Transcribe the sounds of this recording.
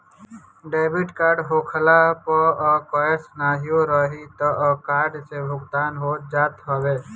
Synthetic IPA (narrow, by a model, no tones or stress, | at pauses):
ɖeːbiʈkaːɾɖɦoːkʰəlapɔɔkɔəsnaːɦijoɾəɦit̪ɔʔkaːɾɖsebʱʊɡt̪aːnɦoːd͡ʒaːt̪ɦəʋeː